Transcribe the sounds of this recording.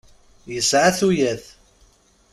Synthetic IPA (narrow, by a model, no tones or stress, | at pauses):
jəsʕaθujæθ